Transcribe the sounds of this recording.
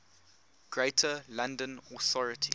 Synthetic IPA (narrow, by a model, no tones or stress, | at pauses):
ɡ̥ɹeɪtʰəlãndə̃nɔθɔɹɪtʰi